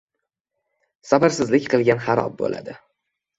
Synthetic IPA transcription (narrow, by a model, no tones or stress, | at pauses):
sabaɾsɪzlɪkʲqʰɨlˠɡʲanhaɾɒ̰b̚bo̰la̰d̪ɪ